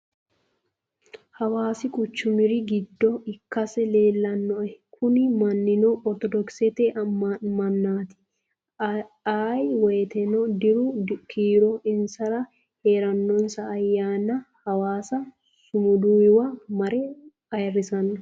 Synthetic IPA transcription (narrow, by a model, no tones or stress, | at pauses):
hɐwaːsɪkʼʊt͡ʃːʊmɪɾɪɡɪd̪ːɔɪkːɐsɛleːlːɐnːɔʔɛkʰʊnɪmɐnːɪnɔɔɾt̪ɔd̪ɔksɛt̪eɐmɐnːaːt̪ɪ̥ | aːjwɛt̪ɛnɔd̪ɪɾʊkʰiːɾɔɪnsɐɾɐ | he̞ːɾɐnːɔnsɐːjːaːnɐhɐwaːsɐ | sʊmʊd̪uːjɪwɐmɐɾɛ | ɐjɐrːɪsɐnːɐ